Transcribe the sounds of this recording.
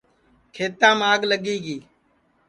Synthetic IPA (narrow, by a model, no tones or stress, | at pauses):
kʰeːt̪ãːmaːɡləɠiːɡiː